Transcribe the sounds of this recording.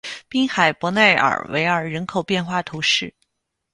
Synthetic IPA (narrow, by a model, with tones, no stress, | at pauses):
pi˥ŋxa˨˩ɪpwɔ˧˥ne˥˩ɪʔə̰˞˨˩wḛ˧˥ɪə˞˨˩ɻə˧˥nkʰo˨˩ʊpjɛ˥˧nxwa˥˩t̪ʰu˧˥ʂɻ̩˥˩